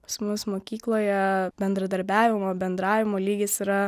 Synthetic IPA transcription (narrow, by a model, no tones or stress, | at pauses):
pɐ̥smʊsmoːkʲiːklˠoːjɛbʲɛnd̪ɾɐd̪ɐɾʲbʲæːʋʲɪmoːbʲɛnd̪ɾɑːʋʲɪmoːlʲiːɡʲɪsiːɾɐ